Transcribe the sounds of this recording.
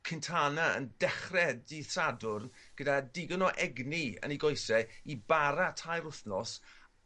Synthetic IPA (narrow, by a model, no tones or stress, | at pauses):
kʰɪntʰanaə̰ndɛχrɛdiθradʊrn | ɡ̥ədadɪɡənɔʔɛɡniə̰niɡɔjsɛibaɾatʰajɾʊθnɔs